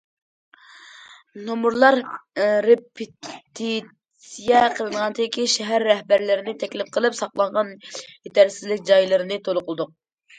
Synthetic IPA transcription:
nomuɾlˠɑɾː | epʰɪt̪ʰi | sijɛqʰəlˠɨnəʁɑnt̪ʰɪɪkʲiʃɛɦæɾːɛhbæɾlɪɾɪnɪt̪ʰɛkʲlɪp̚qʰəlˠɨpsɑqlˠɑɴʁɑnjet̪æɾsɪzlɪkʲd͡ʒɑjlˠɨɾɨnɨt̪ʰolˠʊqʰəlˠɨd̪ʊq̚

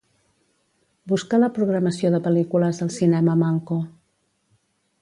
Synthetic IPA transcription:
buskaləpɾuɣɾəməsioðəpəlikuləzðəlˠsinɛməmaŋko

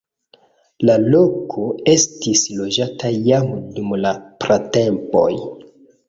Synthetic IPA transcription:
lalokʰoe̞stislo̞d͡ʒatʰajamdumlapɾatempo̞̰j

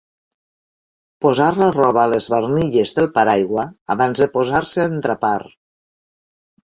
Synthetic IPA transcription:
pozaɾlarɔβaːləzβərniʎezðəlˠpaɾajɣwəa̰βanzðəpozaɾseant̪ɾapaɾ

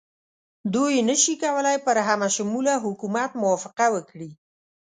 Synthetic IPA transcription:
d̪ujenəʃikawəlajpəɾɦamaʃʊmulaɦʊkumat̪mʊwafɪqawəkɽi

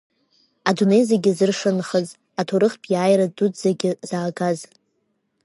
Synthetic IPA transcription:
adune̞jzeɡʲɪzɨrʂɨnχəz | atʰoɾɨχpʰʼjaːjradudzaɡʲɪzaːɡaz

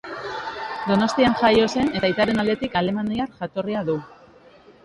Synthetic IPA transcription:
d̪o̞no̞st̪ianʝajo̞se̞ne̞t̪ait̪aɾe̞nald̪e̞t̪ikale̞maniarʝat̪o̞riaðu

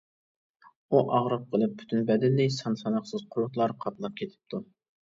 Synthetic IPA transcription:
uʔɑʁɾəq̚qʰəlˠɨp̚ːʰy̥t̪ʰynbɛd̪ɪlːɪsɑnsɑnɑχsɨz̥qʰʊɾʊt̪lˠɑɾqʰɑt̪lˠɑp̚kʲʰet̪ʰɪ̥p̚t̪ʰu

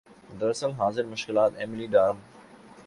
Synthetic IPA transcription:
d̪ɐɾɐsəlɦaːzɪɾmʊʃkɪlaːt̪eːmɪliɖaːɾ

